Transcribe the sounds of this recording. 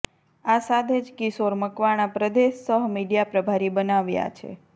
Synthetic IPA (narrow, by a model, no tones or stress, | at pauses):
asad̪ʱed͡ʒkisoɾməkʋaɽ̃apɾəd̪eʃsəɦmiɖijapɾəbʱaɾibənaʋja̰t͡ʃʰḛ